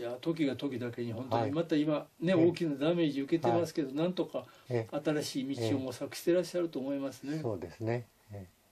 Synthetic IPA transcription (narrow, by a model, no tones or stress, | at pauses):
jat̪o̞k̬ʲiɡat̪o̞kʲid̪ake̞ɲ̟ihõ̞nt̪oɲimat̪aimane̞o̞ːkʲinad̪ame̞ːʑiɯ̟ke̞t̪e̞masɨ̥ke̞d̪o̞nãnt̪o̞kaat̪aɾaɕiːmʲit͡ɕiio̞mosakɯ̟̥ɕi̥t̪e̞ɾaɕːaɾɯ̟t̪o̞ːmo̞imasɨne̞oːd̪esɨne